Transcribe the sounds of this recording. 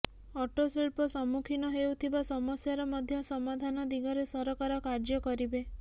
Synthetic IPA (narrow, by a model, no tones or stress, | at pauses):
ɔʈoseɭpɔsɔmukʰinɔɦewt̪ʰibasɔmɔsjaɾɔmɔd̪ʱjɔsɔmad̪ʱanɔd̪iɡɔɾesɔɾɔkaɾɔkaɾd͡ʒɔkɔɾibe